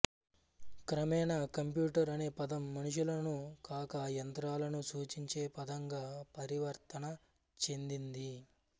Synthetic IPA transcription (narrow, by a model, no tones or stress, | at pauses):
kɾɐmɛːnɐkɐmpjuːʈɐɾɐne̞ːpɐd̪ɐmːɐnuʂ̬ulɐnukaːkɐjɐnt̪ɾaːlɐnusuːt͡ʃiɲt͡ʃe̞ːpɐd̪ɐŋɡaːpɐɾiʋɐɾt̪ɐnɐ | t͡ʃe̞nd̪ind̪i